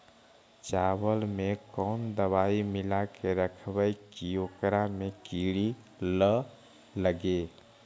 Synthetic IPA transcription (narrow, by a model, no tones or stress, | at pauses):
t͡ʃawəlmekɔnd̪əβaimɪlakeɾəkʰbəjkiokɾamekiɾi | lə | ləɡe